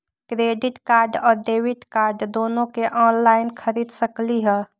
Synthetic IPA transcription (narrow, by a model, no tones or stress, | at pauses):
kɾeːɖɪʈkaːɾɖɔːɾd̪eːwɪʈkaːɾɖd̪oːnõkeʔɔːnlaːɪnkʰəɾiːd̪səkliɦɛː